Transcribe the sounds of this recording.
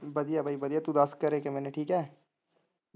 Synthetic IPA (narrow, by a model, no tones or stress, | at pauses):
bɐd̪ijabʱaːibəd̪ijat̪ud̪ɐskəɾeːkemɛːneʈʰiːkɦɛː